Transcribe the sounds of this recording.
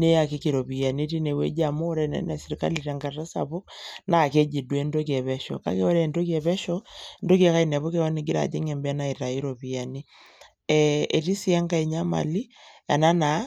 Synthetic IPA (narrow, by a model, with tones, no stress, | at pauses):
ne˦a˨ke˦ki˨ɾo˨βi˨a˨ni˦ɾi˦ne˨wḛ˦d͡ʒa˨mo˦ɾɛ˨nɛ̰˨˦nɛ˨si˨ɾi˨ka̰˦li˨ɾɛ˨ŋɡa˨ta˦sa̰˨βo˦kna˦˨ke˦d͡ʒi˨dwɛ˦ndo˦k̬jɛ˨βɛ˦ʃɔ̰˨ka̰˦ke˦ɔ˦ɾɛ˨ndo˦k̬ɛ˨βɛ˦ʃɔ˦ndo˦kɛ˨˦ka˦i˦nɛ˨βo˦ke˨wɔ˦ni˨ɡi˦ɾa̰˨d͡ʒḛ˦ŋɛ˨mbna˦˨i˨ɾa˨i˦ɾo˨βi˨a˨ni˦ | ɛe˨ɾi˦si˦a˦ŋɡa˦i˨ɲa˦ma̰˨li˦a̰˨na˦na˨˦